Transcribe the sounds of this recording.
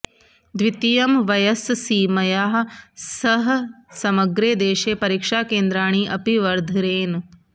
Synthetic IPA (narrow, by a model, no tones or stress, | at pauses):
d̪ʋit̪ijɐmʋɐjɐssiːmɐjaːɦsɐɦsɐmɐɡɾeːd̪eːʃeːpɐɾiːkʂaːkeːnd̪ɾaːɳ̃iʔɐpiʋɐɾd̪ʱiɾeːn